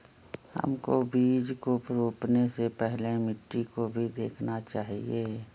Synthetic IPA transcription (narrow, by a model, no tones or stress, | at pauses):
hə̰mkobiːd͡ʒkopɾoːpnesepɛɦlemɪʈːikobʱid̪eːkʰnat͡ʃaːɦieː